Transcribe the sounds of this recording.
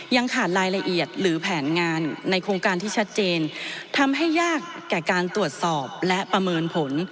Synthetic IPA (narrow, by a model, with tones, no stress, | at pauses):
ja˧ŋkʰaː˨˩t̪̚ɾaː˧jla˧ʔi˨˩ət̪̚ɾɯː˩˦pʰɛː˩˦nŋaː˧nːa˧jkʰɾoː˧ŋkaː˧nt̪ʰiː˥˩t͡ɕʰa˦˥t̪̚t͡ɕeː˧nt̪ʰa˧mɦa˥˩jːaː˥˩kːɛː˨˩kaː˧nt̪ɾu˨˩ət̪̚sɔː˨˩p̚lɛ˦˥ʔpɾa˧mɤː˧npʰo˩˦n